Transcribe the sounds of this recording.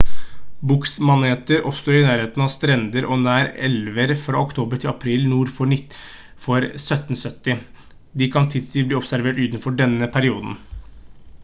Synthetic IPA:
bʊksmɑneːt̪əɾʔɔ̰pst̪oːɾɪnæːɾheːt̪n̩ɑʋst̪ɾɛnd̪əɾʔɔnæːɾɛ̰lʋəɾfɾɑ̰ʊkt̪ʰoːbəɾʈʰɪlɑpʰɾiːlnuːɾfɔɳɪt̪ː | fɔɾsœt̪ːn̩sœt̪ːɪ | d̪ɪkʰɑnt̪ʰɪd̪st̪iːbliːɔpsæɾʋeːʈʉːt̪n̩fɔɖɛnːəpʰæɾɪuːd̪n̩

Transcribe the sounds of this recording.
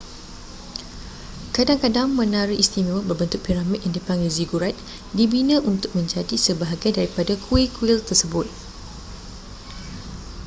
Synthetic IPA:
kadaŋkadaŋmə̃nãɾiʔist̪imiwabərbənt̪ʊk̚piɾamik̚ʔɛndəpaŋɡiziɡuɾat̪̚ | dibinə̃ʔunt̪ʊk̚mə̃ɲd͡ʒadisəbaɦaɡajdaɾipadakʰuikuilt̪ərsəbʊt̪̚

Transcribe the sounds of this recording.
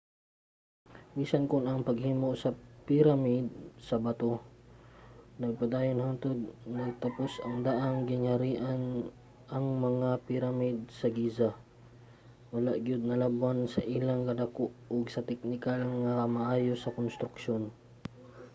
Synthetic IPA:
minsankʊnɐŋpɐɡ̚hiːmosɐpɪɾamid̪̚sɐbɐt̪o | nɐɡ̚pɐd̪aːjonhant̪od̪̚nɐɡ̚t̪ɐposʔɐŋd̪aʔaŋɡɪŋhaɾiːʔan | ʔɐŋmɐŋapɪɾamid̪̚sɐɡiːza | wʊlaʔɡjʊd̪̚nɐlabwansɐʔilaŋkɐd̪ɐkoʔoɡsɐt̪ɛk̚nɪkalŋɐmɐʔaːjosɐkonst̪ɾʊkʃon

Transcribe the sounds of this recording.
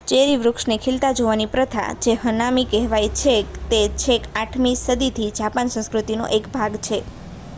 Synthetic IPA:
t͡ʃeɾiʋɾʊkʂnekʰilt̪ad͡ʒoʋanipɾət̪ʰa̰d͡ʒeɦənamikɛɦʋajt͡ʃʰekt̪et͡ʃʰekaʈʰmisəd̪it̪ʰid͡ʒapansə̃skɾut̪ino̰ʔekbʱaɡt͡ʃʰe

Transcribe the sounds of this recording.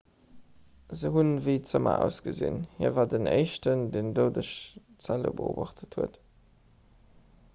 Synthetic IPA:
zəɦunviɪt͡səmɐ̰ʔæ̰ʊsɡ̥əzḭnhiːɐvaːdənʔḛɪʃtəndeːndoʊdəʃtt͡sælə̰bə̰o̰ːbaχtʰəthuət

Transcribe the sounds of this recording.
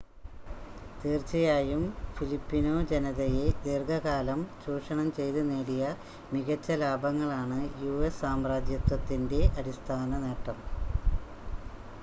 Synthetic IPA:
t̪iːrt͡ɕɐjaːjumfilipːino̞ːd͡ʑe̞nɐðɐjed̪irɡʱɐɣaːlɐmɕuːʂɐɳɐmt͡ɕe̞jt̪unːeːɽijɐ | miɣɐt͡ɕːɐlaːbɐŋːɐɭaːɳɨjuːesːaːmraːd̪jɐt̪wɐt̪ːinde̞ʔɐɾist̪ʰaːnɐneːʈːɐm

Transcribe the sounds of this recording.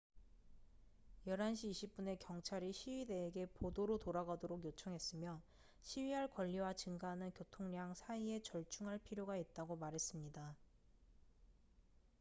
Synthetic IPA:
jʌɾɦanɕ̬ʰiːɕʰip̚p͈une̞kjʌŋt͡ɕʰaɾiɕʰiɥide̞ːɡe̞podoɾotoɾaɡadoɾoɡjot͡ɕʰʌŋɦe̞s͈ɯmjʌ | ɕʰiɥiɦaɭkwʌʎːiwat͡ɕɯŋɡaɦnɯnkjotʰoŋɲaŋsʰaie̞t͡ɕʌɭt͡ɕʰuŋɦaɭpʰiɾjoɡait̚t͈aɡomaɾɦe̞s͈ɯmɲida

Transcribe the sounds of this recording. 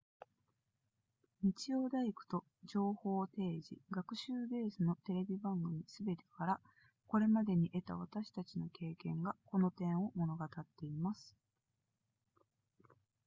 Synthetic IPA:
ɲ̟it͡ɕio̞ːd̪aikɯ̟̥t̪o̞ | d͡ʑo̞ːho̞ːt̪e̞ːʑḭɡakɯ̟ɕɨːɡe̞ːsɨno̞t̪e̞ɾe̞bʲibãŋɡɯ̟mʲisɨbe̞t̪e̞̥kaɾa | ko̞ɾe̞mad̪e̞ɲ̟iʔe̞t̪aβ̞at̪aɕi̥t̪at͡ɕino̞ke̞ːkẽ̞ŋɡako̞no̞t̪ẽ̞ɰ̃o̞mo̞no̞ɡat̪at̪ːe̞imasɨ̥

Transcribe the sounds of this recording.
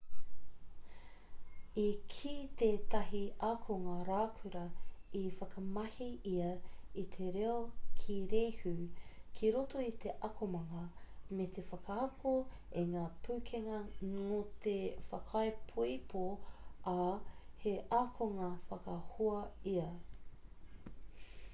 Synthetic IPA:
ikʰiːt̪eːt̪ɐɦiakʰoŋaɾaːkʰʉɾɐifɐkɐmɐhiiɐit̪ʰeɾeokʰiɾehʉkʰiɾotoit̪eʔɐkʰomɐŋɐmet̪ʰefɐkaɐkʰo | eŋaːpʰʉːkʰeŋɐŋot̪efɐkʰɐepʰoipʰoaheʔakʰoŋafɐkɐhuɐiɐ

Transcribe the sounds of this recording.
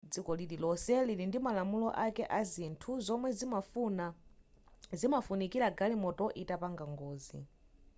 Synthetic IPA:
d͡zikɔlililɔsɛlilindimalamulɔʔakɛʔazintʰuzɔmwɛzimafuna | zimafunikiɾaɡalimɔtɔʔitapaŋɡaŋɡɔːzḭ

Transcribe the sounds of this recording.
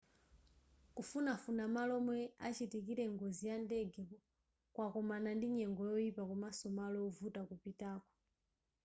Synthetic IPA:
kufunafunamalɔmwɛat͡ʃitikiɾɛŋɡɔzijandɛɡɛpɔ | kwakɔmanandiɲɛŋɡɔjɔipakumasɔmalɔɔvutakupitaːkɔ̥

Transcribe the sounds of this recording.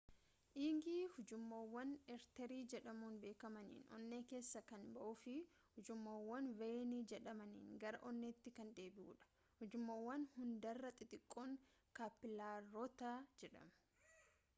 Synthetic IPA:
ʔiːŋɡiːhʊd͡ʒʊmːoːwːɐnɛɾt̪ɛɾiːd͡ʒɛᶑɐmuːnbe̞ːkɐmɐnḭːnɔ̰nːeːke̞ːsːɐkɐnbɐʔʊfɪ | hʊd͡ʒʊmːoːwːɐnvejniːd͡ʒɛᶑɐmɐnḭːnɡɐɾɐʔɔnːeːt̪ːɪkɐnd̪e̞ːbɪʔṵːᶑɐ̥ | hʊd͡ʒʊmːoːwːɐnhʊnd̪ɐrːɐt̪ʼɪt̪ɪkʼːoːŋkaːpːɪlaːɔt̪aːd͡ʒɛᶑɐ̰m

